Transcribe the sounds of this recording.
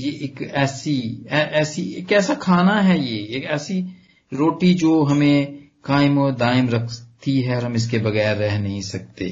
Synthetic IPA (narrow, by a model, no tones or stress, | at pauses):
jeʔeːkɛːsiɛːʔɛːsieːkɛːsakʰaːnaɦɛjeːeːkɛːsi | ɾoːʈid͡ʒoːɦɐmẽ | kaːɪmod̪aːɪmɾɐkʰt̪iɦɛɔːɾɦɐ̃mɪs̬kebɐɣɛːɾːɛɦnɐɦĩsɐk̚t̪ḛː